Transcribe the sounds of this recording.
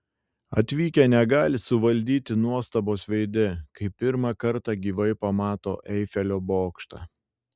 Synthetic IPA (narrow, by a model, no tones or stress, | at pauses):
ɐt̪ʲʋʲiːkʲɛnʲɛɡɑːlʲɪsʊʋɐlʲd̪ʲiːt̪ʲɪnuɔst̪ɐboːsʋʲɛɪd̪ʲɪkɐɪpʲɪɾmɑkɐɾt̪ɑɡʲiːʋɐɪpɐmɑːt̪o̰ːʔɛɪfʲɛlʲoːboːkʃt̪ɑ̰